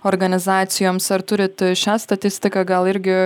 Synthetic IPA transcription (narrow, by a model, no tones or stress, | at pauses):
oːɾɡɐnʲɪzɑːt̪sʲɪjoːmsɐɾt̪ʊɾʲɪt̪ʃʲæːst̪ɐt̪ʲɪsʲt̪ʲɪkɑɡɐlˠɪɾʲɡʲɪ